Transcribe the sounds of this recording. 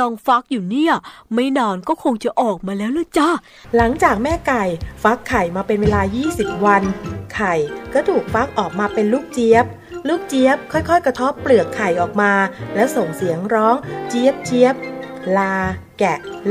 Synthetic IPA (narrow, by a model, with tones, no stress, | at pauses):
ɔː˧ŋfa˦˥k̚juː˨˩niː˥˩˨ma˥˩jnɔː˧nkɔː˥˩kʰo˧ŋt͡ɕa˨˩ʔɔː˨˩k̚maː˧lɛː˦˥wlɯː˧˥˩t͡ɕɔː˥˩ | la˩˦ŋt͡ɕaː˨˩k̚mɛː˥˩ka˨˩jfa˦˥kʰːa˨˩jmaː˧pe˧nweː˧laː˧jiː˥˩si˨˩p̚wa˧nkʰa˨˩jkɔː˥˩t̪ʰuː˨˩k̚fa˦˥k̚ʔɔː˨˩k̚maː˧pe˧nluː˥˩k̚t͡ɕi˦˥əp̚ | luː˥˩k̚t͡ɕi˦˥əp̚kʰɔ˥˩jkʰɔ˥˩jkɾa˧t̪ʰo˦˥pːlɯ˨˩əkʰːa˨˩jʔɔː˨˩k̚maː˧lɛː˦˥wso˨˩ŋsi˨˩˦əŋɾɔː˦˥ŋt͡ɕi˦˥ə˩p̚t͡ɕi˦˥əp̚laː˧ | kɛ˨˩ʔ